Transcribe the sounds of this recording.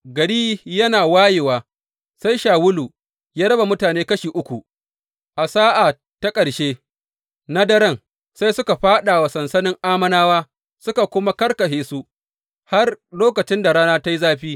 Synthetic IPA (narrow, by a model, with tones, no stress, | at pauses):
ɡɐ˨ɽiː˦jɐ˦naː˨waː˦je˨waː˨ | sa˦jʃaː˨wʊ˦luː˨ | jaː˦ɽɐ˦ba˨mʊ˦taː˨neː˦kɐ˦ʃiː˨ʔʊ˦kʷu˨ | ʔa˨saː˦ʔa˨ | ta˦kʼɐ˨ɽʃeː˦ | na˦dɐ˦ɾɐ˦ŋ | sa˦jsʊ˦ka˨ɸaː˦ɗa˨wa˨sɐ˨nsɐ˦nɪ˦ŋʔaː˦mɐ˦naː˦waː˦ | sʊ˦ka˨kʷʊ˦ma˦kɐ˦rkɐ˨ɦeː˦su˦ | ha˦rloː˦kɐ˨t͡ʃɪ˦nda˨ɾaː˦naː˦ta˦ji˦zaː˦ɸiː˦